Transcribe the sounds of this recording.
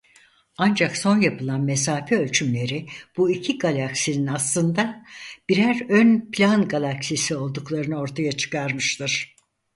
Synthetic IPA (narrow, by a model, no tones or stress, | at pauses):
and͡ʒakso̞njapʰɯlˠanme̞s̬aːfɛølʲt͡ʃʰymlʲe̞ɾib̥uicʰiɡalʲˠaksininaslˠɯnd̪ab̥iɾæɾønpʰlʲanɡalˠaksisio̞lˠd̪uklˠaɾɯnɯo̞ɾt̪ʰajat͡ʃʰɯ̥kaɾmɯʃt̪ʰɯɾ̥